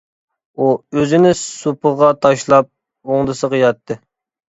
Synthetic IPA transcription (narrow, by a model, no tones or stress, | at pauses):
uøzɪnɪsupəʁɑt̪ʰɑʃlˠɑp̚ | oŋd̪ɨsəqəjɑt̪ʰːɨ